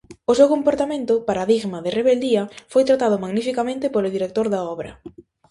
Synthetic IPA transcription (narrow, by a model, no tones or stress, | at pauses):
ʊsewkompoɾt̪amẽnt̪ʊpaɾaðiɣmɐðɪreβeld̪iɐfojt̪ɾat̪aðʊmaɣnifikamẽnt̪ɪpolʊðiɾek̚t̪oɾðɐɔβɾɐ̰